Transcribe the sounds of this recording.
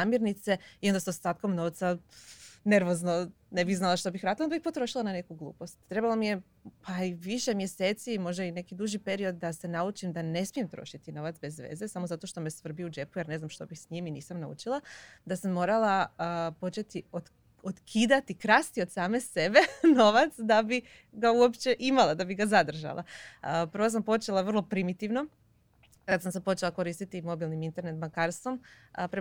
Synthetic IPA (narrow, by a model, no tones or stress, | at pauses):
amjeɾnit̪se̞iond̪asost̪aːt̪̚komno̞ʋt̪sa | ne̞ɾʋo̞zno̞ | ne̞biɣznalˠaʃt̪o̞bixɾaːd̪laonabiçpo̞t̪ɾo̞ʃilˠanane̞kuɡlˠṵːpo̞st̪t̪ːɾe̞balomije̞ | pʰaiʋiʃe̞mje̞se̞ːt̪simo̞ʒd̪aine̞kid̪uʒipe̞ɾio̞d̪̚ːase̞naut͡ʃimd̪ane̞smije̞mt̪ɾo̞̰ʃit̪ino̞ʋat̪sbe̞zʋḛzesamozat̪o̞ʃt̪o̞mesʋr̩biud͡ʒe̞pujeɾne̞znamʃt̪o̞bixsɲiminiːsamnaṵt͡ʃilˠad̪asamːo̞ːɾalaəpo̞t͡ʃe̞t̪io | ot̪kʰiːd̪at̪ikɾast̪io̞d̪saːme̞se̞be̞no̞ʋat̪sd̪abi | ɡauopt͡ʃe̞ʔimalˠad̪abiɡazad̪r̩ʒa̰lˠa̰pr̩ʋos̬ampo̞t͡ʃe̞lˠaʋr̩lˠo̞pɾimit̪iʋno̞ | kad̪samsepo̞t͡ʃe̞lako̞ɾiːst̪it̪imo̞bilˠnimint̪e̞ɾne̞t̪makaːɾst̪ʋo̞m | əpɾe